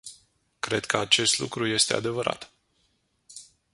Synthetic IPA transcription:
kɾe̞d̪kʰəat͡ʃe̞st̪lṵkɾuje̞st̪e̞a̰d̪e̞vəɾa̰t̪

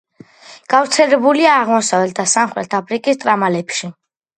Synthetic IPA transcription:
ɡ̥avɾt̪sʰɛlɛbuliaːʁmɔsavɛlt̪̚ʰd̪asamχɾɛ̰t̪ʰapʰɾikʼist̪ʼɾamalɛpʰʃi

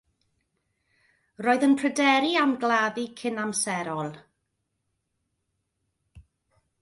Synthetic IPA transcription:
roːɨðənpʰrədɛɾiamɡlˠaðikʰɪnamsɛɾɔlˠ

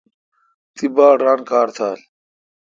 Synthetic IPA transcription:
t̪ibaːɖaːnkaːɾt̪ʰaːl

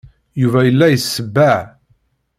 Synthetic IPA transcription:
juvæjəlːæjəsːəbːæʕ

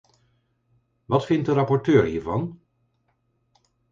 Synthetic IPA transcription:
ʋɑtfɪnt̚dəɾɑpɔɹtøːɹɦiːɹvɑn

